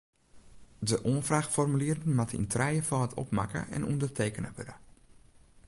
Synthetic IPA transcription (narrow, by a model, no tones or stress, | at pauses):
dəʔoənfraxfɔrmyliərədənmatḭntʰrɛjəfɔːtʰɔ̰pma̰kə̰ʔɛ̰nʔundərtʰeːkənəʋø̰də